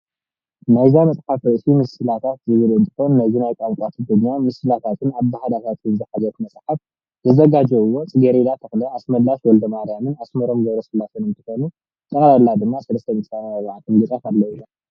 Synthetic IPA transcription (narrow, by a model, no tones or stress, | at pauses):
najzamɐsʼħafɾɐʔsimɨsɨlat̪ʰat̪zɨβɨlɨnt̪ʰɨxo̞nːazinajkʼamkʷʼat̪ʰɨd̪ɨɡːamɨsɨlat̪ʰat̪ʰɨnaβd̪ahad̪at̪ʰat̪jɨzɨħazɐt̪mɐsʼħaf | zɨzɐɡad͡ʒɛɨwːo̞t͡sʼɨɡɐɾed̪at̪ʰɐxlɐasmɐllːaʃwɔld̪ɐmaɾijamɨnasmɐɾo̞mɡɐβɾosɨlat̪ʰonɨnt̪ʰɨxo̞nu | t̪ʼɐkʼlalːad̪ɨmːasɐlɐst̪ʰɐmisanaɐβʕat̪ʼɨnɡɨt͡sʼafalːɐwilɐm